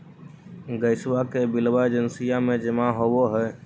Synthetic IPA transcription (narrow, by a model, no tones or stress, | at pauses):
ɡəɪswakebilwaed͡ʒənsijamed͡ʒemãɦoboɦɛ